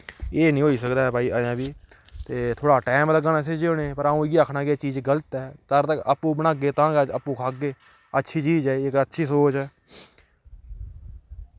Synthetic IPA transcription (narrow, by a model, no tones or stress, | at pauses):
eːnĩːɦoːiːsəkd̪aːɦɛbʱaːiːʔajãːbiː | t̪eːt̪ʰoːɽaːʈɛːmləɡaːnaːseːd͡ʒeːoːnẽpəɾaːũːɡiːaːkʰnaːɡeeːt͡ʃiːd͡ʒɡələt̪ɛːt̪əɾt̪əkəpːũːbənaːɡeːt̪ãːɡɛːd͡ʒəpːũːkʰaːɡeː | ətːʃʰiːt͡ʃiːd͡ʒaːeɪkətːʃʰiːsoːt͡ʃɛː